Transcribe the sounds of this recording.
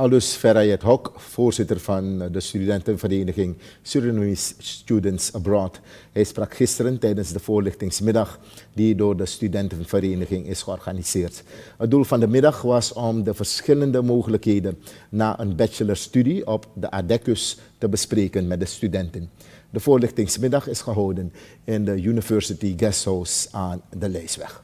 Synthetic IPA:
ɑlˠdɵsfɛɾajətɦɔkfoːrz̥ɪtərv̥ɑndəstydɛntənvəreːnəχɪŋ | syɹənuistydəntsəbrɔt | ɦɛjsprɑkxɪstəɾəntɛjdənzdəv̥ʊːɹlɪxtɪŋsmɪdɑχ | didoːrdəstydɛntənv̥əɾeːnəχɪŋɪsχəɔrxaniz̥ɪːrtɦət̚dulˠvɑndəmɪdɑχʋɑsɔmdəvərsχɪləndəmoːχələkɦeːdənnaːʔənbɛt͡ʃələɹstydiɔpdəʔadɛkəs | təbəspreːkənmɛt̚dəstydɛntən | dəvʊːɹlɪxtɪŋsmɪdɑχɪsχəɦɔwdən | ɪndəjynivœɹsɪtiɡɛsowsaːndəlɛjsʋɛ̰x

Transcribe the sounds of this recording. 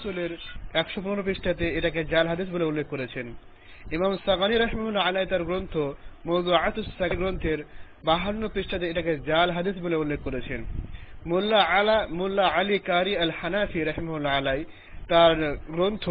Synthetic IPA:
suleɾɛkʃopunoɾop̬iʃʈʰat̪eeʈaked͡ʑalɦad̪is̬boleulːekʰːoɾet͡ɕʰen | imamsaɣaniɾɐɦimamulːalajt̪aɾɡɾont̪ʰomowzuʕat̪ussaɡɡɾont̪ʰeɾ | baɦanːopɾiʃʈʰat̪̬eeʈaked͡ʑalɦad̪is̬boleulːekːoɾet͡ɕʰenmulːamulːaalikaɾiɐlhanafiɾaɦimaulalaj | t̪aɾɡɾont̪ʰo

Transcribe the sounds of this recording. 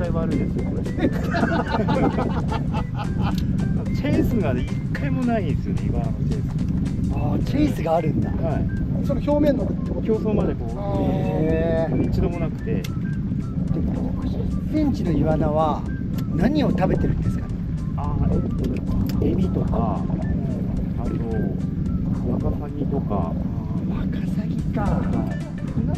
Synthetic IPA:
ajβaːɾɯ̟nd̪esɨoko | at͡ɕeːsɨɡad̪eikʰːaimo̞naĩnd̪esɨjoneiβananot͡ɕeːsɨaːt͡ɕiːsɨɡaːɾɯ̟̃nd̪a̰haisonoçʲo̞ːmẽ̞nːokɯt̪ːemokʲʰoːsomad̪ekoː | eɯt͡ɕid̪omonakɯ̟̥t̪e̞̰ | d̪̥emookɯ̟ɕisẽ̞ɲ̟t͡ɕino̞iβanaβ̞a | naɲ̟io̞t̪abe̞t̪e̞ɾɯ̟̃nd̪esɨ̥ka̰n | aet̪ːo | emʲit̪o̞ka̰ | at̪o | makasaɡʲit̪o̞ka̰makasaɡʲika

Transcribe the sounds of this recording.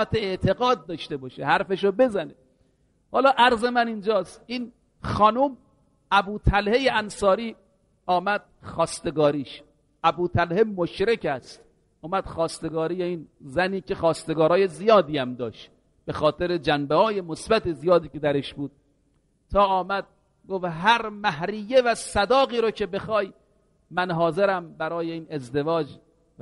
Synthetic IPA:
t̪ʰeeʔt̪ʰeɡɒːd̪̚ːɒːʃt̪e̞bɒːʃehæɾfeʃobe̞zæne | hɒːlɒːʔæɾze̞mænind͡ʒɒːst̪iːn | xɒːnuːm | æbuːt̪ʰælhejeænsɒːɾiː | ɒːmæd̪̥̚xɒːst̪e̞ɡɒːɾiːʃ | ʔæbuːt̪ʰælhemoʃɾekæst̪ | ʔɔːmæd̪̥xɒːst̪e̞ɡɒːɾiːjeiːnzæniːkʰexɒːst̪e̞ɡɒːɾɒːje̞zijɒːd̪iːæmd̪ɒːʃt̪ | b̥exɒːt̪ʰeɾed͡ʒænbehɒːje̞mosbæt̪ezijɒːd̪iːke̞d̪æɾeʃbuːd̪̚ | t̪ʰɒːʔɒːmæd̪̚ | ɡofɦæɾmæɦɾijevæsæd̪ɒːɣiːɾocʰe̞be̞xɒːj | mænɦɒːzeɾæmbæɾɒːjeiːnezd̪e̞vɒːd͡ʒ

